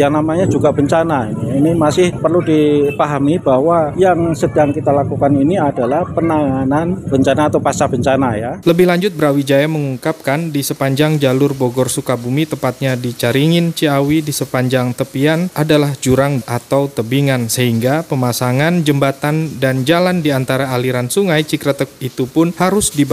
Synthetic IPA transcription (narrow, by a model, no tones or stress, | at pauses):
jaŋnamaɲad͡ʒuɡabəɲt͡ʃanainimasɪhpərludipaɦamibawajaŋsədaŋkit̪alakukaniniadalahpənaŋananb̥əɲt͡ʃanaːt̪awpasabəɲt͡ʃanajaləbɪhlaɲd͡ʒʊt̪̚bəɾawid͡ʒajaməŋuŋkap̚kandisəpaɲd͡ʒaŋd͡ʒalʊrboɡɔrsukabumit̪əmpat̪̚ɲadit͡ʃaɾiŋɪnt͡ʃiawidisəpaɲd͡ʒaŋt̪əpianʔadalahd͡ʒuɾaŋat̪awt̪əbiŋansəɦiŋɡapəmasaŋand͡ʒəmbat̪andand͡ʒalandiant̪aɾaːliɾansuŋajt͡ʃikɾat̪ək̚it̪upʊnhaɾʊsdib